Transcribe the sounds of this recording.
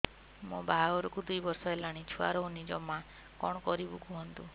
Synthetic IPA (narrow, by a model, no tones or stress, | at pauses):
mõbaɡɔɾɔkud̪ujbɔɾsɔelaɽ̃it͡ʃʰua̰ɾɔonid͡ʒɔmã | kɔɽ̃ɔkɔɾibukuɦɔnt̪u